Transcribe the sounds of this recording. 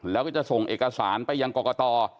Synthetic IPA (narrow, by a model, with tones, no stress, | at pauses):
lɛː˦˥wkɔː˥˩t͡ɕa˨˩so˨˩ŋʔeː˨˩ka˧saː˩˦npa˧jːaː˧ŋkɔː˨˩kɔː˧t̪ɔː˧